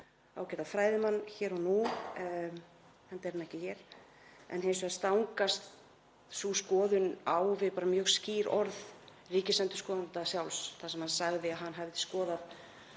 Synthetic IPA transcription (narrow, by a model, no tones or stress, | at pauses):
a̰wcɛt̪afɾaːjðɪmanːçɛːɾɔnu | hant̪ɛɾnɛhcɪçɛɾ̥ | ɛ̰nɦensʏast̪awŋkast̪ | suskɔːðʏnawvɪðpaːɾamjœːɣsciːɾɔɾð | riːcɪslɛnt̪ʏ̥skɔːðant̪asjawlsθasɛmhansaɣðɪaðɦanːɦavðɪskɔːðað